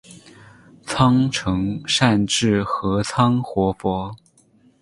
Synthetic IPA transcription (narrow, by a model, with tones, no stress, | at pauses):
t͡sʰɑ˥ŋʈ͡ʂʰɤ˧˥ŋʂa˥˧nʈ͡ʂɻ̩˥˩xɤ˧˥t͡sʰɑ˥ŋxwɔ˧˥fwɔ˧˥